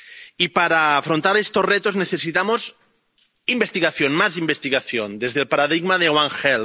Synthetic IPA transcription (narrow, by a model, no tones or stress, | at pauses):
ipaɾaːfɾont̪aɾest̪ozret̪ozneθesit̪amoz | imbest̪iɣaθjonmazimbest̪iɣaθjond̪ezðelpaɾaðiɣmaðeɣwaŋxel